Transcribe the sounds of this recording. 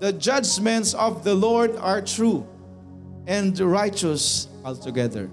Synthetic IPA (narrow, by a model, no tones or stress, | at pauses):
d̪əd͡ʒʌd͡ʒmɛ̃ntsɔvðəlɔɹdaɹtʰɹu | ɛ̃ndɹaɪt͡ʃəs | ɔltuɡɛðə̰˞